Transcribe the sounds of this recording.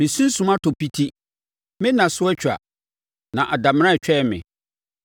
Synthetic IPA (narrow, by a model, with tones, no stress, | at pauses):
mɪ̃˨sũ˦n˦sũ˦mã˦tʰo˨pi˦tʰi˦ | mɪ̃˦nã˨sʊ˦ɛ˦t͡ɕʰᶣa̰˨ | nã˨ʔa˨da˨m̃˦ã˦˨t͡ɕᶣɛ˦˨mɪ̰̃˨